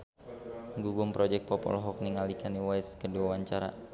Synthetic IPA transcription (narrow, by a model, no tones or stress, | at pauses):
ŋɡuɡʊmpɾɔd͡ʒɛk̚pɔpɔ̰lɔɦɔk̚niŋalikʰaniwaskəduawaɲt͡ʃaɾa̰